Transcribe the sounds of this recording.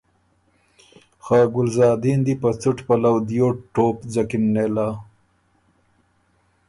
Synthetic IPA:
xaːɡʊlzɑːd̪ind̪ipɐt͡suʈpɐlawd̪ijoːʈːoːpzɐkinːeːlaː

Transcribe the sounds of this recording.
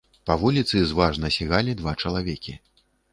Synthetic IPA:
pɐvulʲit̪sɨzvaʐnɐsʲiɣalʲid̪vat͡ʂɐlˠavʲɛkʲi

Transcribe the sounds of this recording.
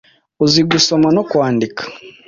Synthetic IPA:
uziɡusomanokwaːndikʰḁ

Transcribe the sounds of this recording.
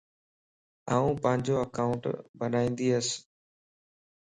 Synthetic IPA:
aːũːpə̃ɦɪ̃ɲd͡ʑoːəkaːʊ̃ɳʈbənaːĩːnd̪iːəs

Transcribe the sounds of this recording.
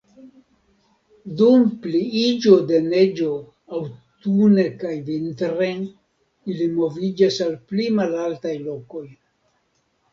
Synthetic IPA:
dumpliid͡ʒo̞de̞ne̞d͡ʒo̞ | awtune̞kajvintɾen | ilimo̞vid͡ʒasalplimalaltajlo̞ko̞j

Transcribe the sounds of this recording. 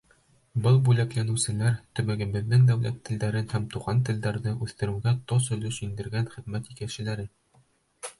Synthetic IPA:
bɤlˠbʉlæklænɘ̆wsɘ̆læɾt̪ɵ̆mɘɡɘ̆bɘ̆ðːɘŋd̪æwlæ̰t̪ʰːɘ̆ld̪æɾɘnhæmt̪uʁɑnt̪̬ɘ̆ld̪æɾðɘʔʉθt̪ɘ̆ɾɘ̆ɡæt̪ɒsɵ̆lɵʃind̪ɘ̆ɾɡænχĭðmæt̪ikækɕɘ̆læɾɘn

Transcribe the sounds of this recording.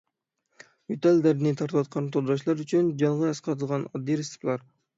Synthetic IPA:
yt̪æld̪æɾɪnɪt̪ʰɑɾt̪ʰɨwɑt̪̚qʰɑnt̪ʰod̪ɾɑʃlˠɑɾyt͡ʃʰynd͡ʒɑɴʁɑɑsqʰɑt̪ʰɨlˠʁɑnɑd̪ːiɾest̪plˠɑɾ

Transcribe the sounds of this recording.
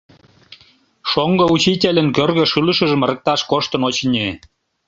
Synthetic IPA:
ʃoŋɡɤut͡ɕitʲelʲə̆nkørɣə̆ʃɯlə̆ʃə̆ʒə̆mrə̆k̚t̪ɑʃkoʃt̪ə̆not͡ɕnʲe

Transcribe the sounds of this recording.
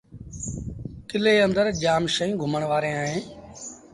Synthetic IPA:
kɪleːənd̪əɾd͡ʒaːmʃəĩːɡʱʊməɳʋaːɾẽːaːɦẽː

